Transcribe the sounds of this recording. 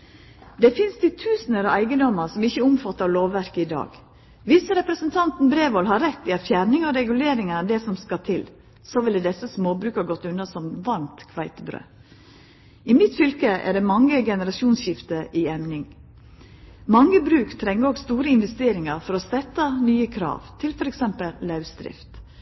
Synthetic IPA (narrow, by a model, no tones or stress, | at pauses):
d̪ɛfɪnst̪ʰɪt̪ʰʉːsn̩əɾɑæɪɡənd̪ɔməɾsɔmɪçːəʊmfɑt̪ːəɾɭoːʋːæɾkəɪd̪ɑ̰ːɡ | ʋɪsɾɛpɾəsənt̪ʰɑnt̪n̩bɾeːʋɔlɦɑɾɛt̪ːɪɑt̪fjæɾnɪŋɔɾɛɡʉleːɾɪŋənəd̪ɛsɔmskɑt̪ʰɪl | soʋɪlɛd̪ɛsəsmoːbɾʉːkhɑːɡɔt̪ːʉnɑsɔmʋɑnt̪kʰʋæɪt̪əbɾø̰ː | ɪmɪt̪fʏlkəʔæ̰ɖ̪ɛmɑŋːəɡɛnəɾɑʃuːnsçɪft̪əʔiɛmnɪŋ | mɑŋːəbɾʉːkt̪ʰɾɛŋːəɾɔɡst̪uːɾəɪnʋɛst̪eːɾɪŋɑɾfɔɾɔsɛt̪ːɑnyːəkʰɾɑ̰ːʋt̪ʰɪlfɔɾɛksɛmpəlːɑʉsd̪ɾɪ̰ft̪